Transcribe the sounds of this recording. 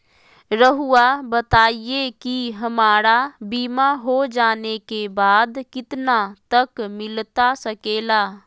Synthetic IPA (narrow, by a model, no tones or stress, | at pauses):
ɾəɦuabət̪aːiekiɦɐmaːɾabiːmaɦod͡ʒaːnekebaːd̪kɪt̪nat̪ɐkmɪlt̪asɐkeːlaː